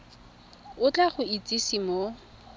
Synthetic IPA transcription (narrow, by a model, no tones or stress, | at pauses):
ʊt͡ɬʼaχʊit͡sʼisimo